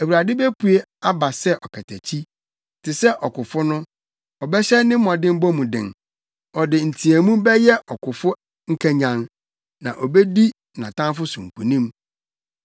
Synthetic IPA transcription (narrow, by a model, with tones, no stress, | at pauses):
æ˨wu˨ɾa˨dɪ˦be˦pu˨e˦a˦ba˨sɛ˦ʔɔ˨kʰɛ˨tʰæ˨t͡ɕʰi˦ | tʰɪ˨sɛ˦ʔɔ˨kʊ˨fʊ˦nʊ̃˦ | ɔ˨bɛ˦ɕɛ˦nɪ̃˦m̩˦mɔ̃˨dɪ̃˦m̩˦bɔ˦mũ˨dɪ̰̃˨n | ɔ˨dɪ˨n̩˨tʰi˨æ˨mũ˦bɛ˦jɛ˦ʔɔ˨kʰʊ˨fʊ˦ | ŋ̩˦kʰæ̃˨ɲã˨n | nã̰˨ʔɔ˨bɛ˦di˦ | nã˨tʰã˦fʊ˦sʊ̃˨ŋ̩˨kʰu˨nĩ˦m